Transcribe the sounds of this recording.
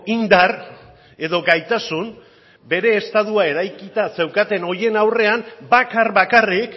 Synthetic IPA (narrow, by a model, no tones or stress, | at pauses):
ind̪ar | e̞ðo̞ɡajt̪asun | be̞ɾe̞ːst̪aðuae̞ɾajkit̪ase̞wkat̪e̞no̞je̞nawre̞ambakarβakarik